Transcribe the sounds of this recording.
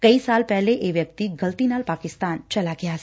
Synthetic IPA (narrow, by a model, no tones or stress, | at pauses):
kɐisalpɛɦleʔeʋjək̚t̪iɡɐlt̪inaːlpaːkɪst̪aːnt͡ʃɐlaɡja